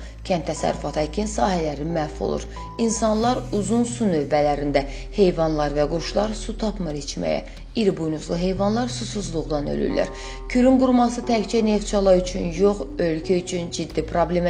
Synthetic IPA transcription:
cʰænt̪ʰːæsæ̰ɾːyfɑt̪ʰhæcʰinsɑːɦælæɾimæfo̞̰lˠṵɾ | insɑnlˠɑɾuzunsunø̞vːælæɾind̪æ | he̞jvɑnlˠɑɾvæɡuɾʃlˠɑɾsut̪ʰɑpmɯɾit͡ʃmæ̰jæ̰ | iɾbujnuzlˠɯɦe̞jvɑnlˠɑɾsusuzlˠuʁd̪ɑnø̰ly̰lːæ̰ɾ | cʰyɾynɡuɾmɑsɯt̪ʰækt͡ʃæne̞ft̪t͡ʃʰɑlˠɑyt͡ʃʰynjo̞χølcʰæyt͡ʃʰynd͡ʒid̪ːipʰɾo̞blʲem

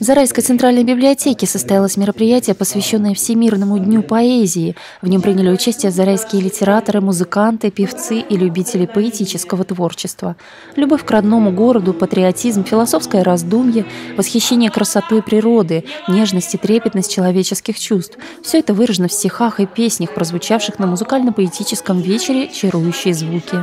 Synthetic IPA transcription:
vzɐɾajskəjt̪ɨnt̪ɾalʲnəjbʲɪblʲɪɐtʲekʲɪsəst̪ɐjalˠəsʲmʲɪɾəpɾʲɪjætʲɪjəpəsvʲɪɕːo̞nːəjəfsʲɪmʲirnəmʊdʲnʲupɐezʲɪː | vnʲo̞mpɾʲinʲɪlʲɪʊt͡ɕæsʲtʲɪjəzɐɾajskʲɪjəlʲɪtʲɪɾat̪əɾɨmʊzɨkant̪ɨpʲɪft̪sɨʔilʲʉbʲitʲɪlʲɪpəɪtʲit͡ɕɪskəvət̪vo̞rt͡ɕɪst̪və | lʲʊbo̞fʲkrɐd̪no̞mʊɡo̞ɾəd̪ʊpət̪ɾʲɪɐtʲizmfʲɪlˠɐso̞fskəjəɾɐzd̪umʲjəvəsxʲɪɕːenʲɪjəkɾəsɐt̪oɪpɾʲɪɾo̞d̪ɨnʲe̞ʐnəsʲtʲɪt̪ɾʲepʲɪt̪nəsʲt̚ʲt͡ɕːɪlˠɐvʲet͡ɕɪskʲɪxt͡ɕust̪f | fsʲɵɛt̪əvɨɾəʐɨənəfsʲtʲɪxaxɨpʲesʲnʲəxpɾəzvʊt͡ɕafʂɨxnəmʊzɨkalʲnəpəɪtʲit͡ɕɪskəmvʲet͡ɕɪɾʲɪt͡ɕɪɾujʉɕːɪjəzvukʲɪ

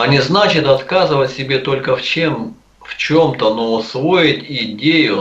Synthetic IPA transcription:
ɐnʲɪznat͡ɕɪt̪ɐt̪kazɨvətʲsʲɪbʲe̞t̪o̞lʲkəft͡ɕe̞m | ft͡ɕo̞mt̪ənosvojɪtʲɪdʲejʊ

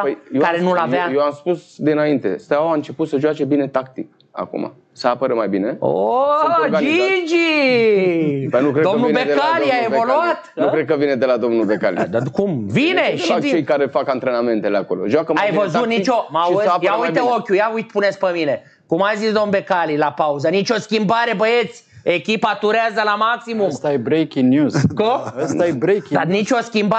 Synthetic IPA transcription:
pəjjekaɾenulajvajewamspusd̪inaint̪e̞̰st̪awaɨnt͡ʃe̞put̪səʒoat͡ʃe̞bine̞t̪ak̚t̪ik | a̰kṵma̰ | səapəɾemajbine̞o̰ | kaid͡ʒi | pənukɾed̪omnuinbed̪elaliaevoluat̪nukɾed̪̚kəvined̪e̞lad̪o̞mnulbeka̰lḭd̪akumvineak̪it͡ʃejkaɾefakant̪ɾenamẽnt̪eleakolo̰ʒwakəmajvəzut̪nit͡ʃomajaujt̪eokʲjujaujt̪punet̪sʲpəmine̞ | kumajzisd̪omnbe̞kalilapauzənit͡ʃo̞skʲimbaɾe̞bəjet̪sʲe̞kʲipat̪uɾeazəlamaksimumt̪aebɾejkʲiŋɡnjuzkoəsajebɾejkd̪anit͡ʃʲo̞skʲimba

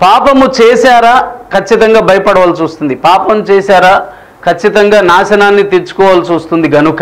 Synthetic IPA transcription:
paːpɐmut͡ʃeːsaːɾaːkʰɐt͡ʃːit̪ɐŋɡaːbʱɐjɐpɐɽɐʋaːlt͡ʃuːst̪und̪ipaːpɐmt͡ʃeːsaːɾaː | kʰɐt͡ʃːit̪ɐŋɡaːnaːʃɐnaːnːit̪iɾt͡ʃu̥kɔːʋaːlt͡ʃuːst̪und̪iɡɐnukɐ

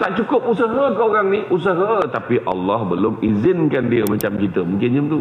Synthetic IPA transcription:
t̪aʔt͡ʃukʊp̚usaɦəkoɣaŋniʔus̬aɦət̪apiʔa̰lːɔhbəlomʔizɪnkandiəmat͡ʃamt͡ɕit̪əmuŋkɪnɲəmt̪u

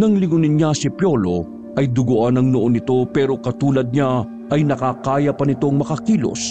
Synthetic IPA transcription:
nɐŋlɪŋʊnɪnɲasɪpjo̞lo̞ | ʔɐjd̪ʊɡʊʔanɐŋnʊʔonɪt̪o̞pɛːɾo̞kɐt̪uːlɐd̪̚ɲa | ɐjnɐkakaːjɐpɐnɪt̪o̞ŋmɐkɐkiːlo̰s

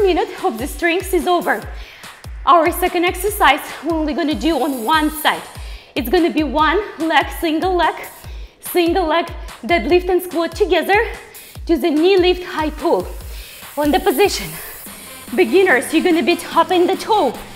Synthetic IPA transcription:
mjɪnɨtɔvðɨstɹ̥ɪ̃ŋksɨzoʊvə˞ | ʔaʊə˞sɛkɨ̃ndɛksə˞saɪzwɛ̃nnwiɡʌñɨdɨə̃nwʌ̃nsaɪt | ɨtsɡ̥onɨbiwʌ̃nlɛksɪ̃ŋɡəl̩ˠlɛk | sɪ̃ŋɡl̩ˠlɛkðɨtˡlɪftɨ̃nskwɔttʰːɨɡɛðə˞ | tɨðɨnilɪfthaɪpʰulˠ | ə̃nðɨpɨzɪʃɨ̃n | bɨɡɪ̃nə˞sjɨɡʌñɨbitʰʌpɪ̃nðɨtʰoʊ

